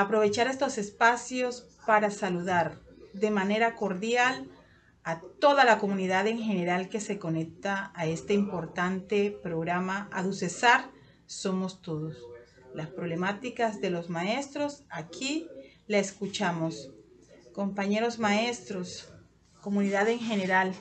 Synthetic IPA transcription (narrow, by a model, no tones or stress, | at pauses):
apɾo̞βe̞t͡ʃaɾe̞st̪o̞se̞spasjo̞s | paɾasaluðaɾd̪e̞mane̞ɾako̞ɾðjal | at̪o̞ðalako̞muniðaðe̞ŋxe̞ne̞ɾalke̞se̞ko̞ne̞k̚t̪aːe̞st̪eimpo̞ɾt̪ant̪e̞pɾo̞ɣɾamaʔaðuse̞saɾ | so̞mo̞st̪o̞ðos | laspɾoβle̞mat̪ikazðe̞lo̞zmae̞st̪ɾo̞sakʰi | laeskut͡ʃamos | ko̞mpaɲe̞ɾo̞zmaest̪ɾos | ko̞muniðaðeŋxe̞neɾal